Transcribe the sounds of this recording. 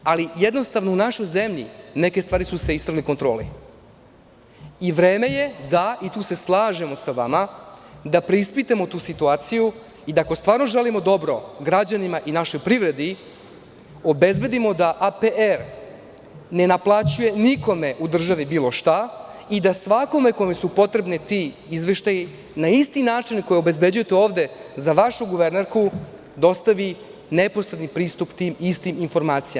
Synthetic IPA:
alijed̪no̞st̪aʋno̞unaʃo̞jzemʎḭnekest̪vaːɾisuse̞ist̪ɾaɡliko̞nt̪ɾo̞ːlḭ | iʋɾeːme̞je̞d̪ait̪uːse̞slˠaːʒe̞mo̞saʋa̰mad̪apɾeispit̪emot̪uːsit̪uaːt̪siju | id̪aːko̞st̪ʋaːɾno̞ʒelimo̞d̪o̞bɾo̞ɡɾad͡ʑanimaʔinaʃo̞jpɾivɾe̞d̪i | o̞be̞zbe̞d̪imo̞d̪aʔapeeɾ | ne̞naplˠat͡ɕuje̞niko̞meʔud̪r̩ʒaʋibiːlˠo̞ʃt̪aid̪asʋako̞me̞ko̞mesupo̞t̪ɾe̞bnit̪i | izʋe̞ʃt̪aji | naist̪inaːt͡ʂinko̞jeobe̞zbe̞d͡ʑuje̞t̪eo̞ːʋd̪e̞zaʋaʃuɡuʋeɾneɾku | d̪o̞st̪aʋi | ne̞posɾed̪nipɾiːst̪upt̪iːmist̪iminfo̞ɾmaːt̪sijam

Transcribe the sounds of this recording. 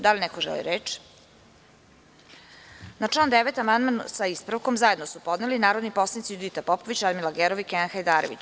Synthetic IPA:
d̪alinɛkoʒɛ̰lḭɾet͡ʃ | naʈ͡ʂlaːnd̪eʋet̪amand̪mansaispɾaʋko̞mzaje̞d̪nosupo̞d̪nelinaːɾod̪nipo̞slanit̪sijud̪it̪apopoʋit͡ɕad̪milaɡeɾoʋikeanxajd̪aːɾoʋḭt͡ɕ

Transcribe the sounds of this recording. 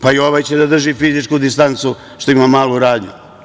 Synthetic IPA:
paioʋajt͡ɕed̪ad̪r̩ʒifizit͡ʃkud̪ist̪ant̪su | ʃt̪oimamaːlˠuɾaːd̪ɲṵ

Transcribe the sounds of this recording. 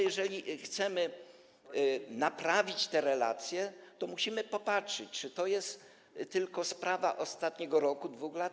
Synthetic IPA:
jɛʐɛlʲixt̪sɛmɘ | napɾavʲit͡ɕt̪ɛɾɛla̰t̪sʲjɛt̪ɔmuɕimɘpɔpatʂɘt͡ɕt͡ʂɘt̪ɔjɛst̪ː | ɘlkɔspɾavaʔɔst̪at̪ɲɛɡɔɾɔkud̪vuxlat̪

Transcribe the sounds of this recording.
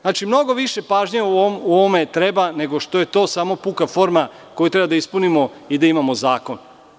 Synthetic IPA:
znaːt͡ʃimno̞ɡo̞ʋiʃepaːʒɲeumuoʋome̞t̪ɾe̞bane̞ɡo̞ʃt̪o̞je̞t̪o̞ːsaːmo̞pukafo̞ɾma | ko̞jut̪ɾebad̪aispunimo̞ | id̪aimamo̞zaːko̞n

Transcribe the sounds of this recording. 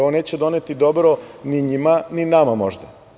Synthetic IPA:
oneːt͡ɕed̪o̞net̪id̪obɾoniɲimaninamamo̰ʒd̪a

